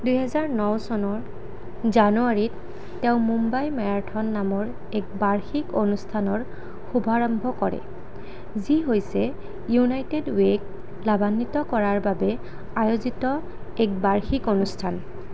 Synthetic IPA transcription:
dujɦɛzaɹnɔwsɔnɔɹ | zanuaɹitː | eʊ̃mumbajmɛɹaɹtʰɔnːamɔɹ | ɛk̚baɹxikonustʰanɔɹ | xubʱaɹɔmbʱɔkɔɹɛ̰ | ziɦojsɛ | junajtedweɡ | labanːitɔkɔɹaɹbabɛ | ajozitɔ | ɛk̚baɹxikonustʰan

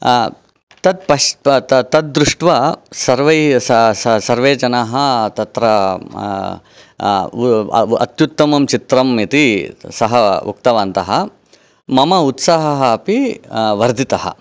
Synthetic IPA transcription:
t̪ɐt̪̚pɐʃɐt̪ɐd̪̚ːɾuʂʈʋɐsɐɾʋɐjsɐsɐsɐɾʋeːd͡ʒɐnɐɦɐt̪ɐt̪ɾɐ | ɐ̰t̪jut̪ːɐmɐmt͡ʃit̪ɾɐmit̪isɐɦɐṵkt̪ɐʋaːnt̪ɐɦɐ | mɐmɐut̪saːɦɐɦɐːpiʋɐɾd̪ʱit̪ɐɦɐ̰

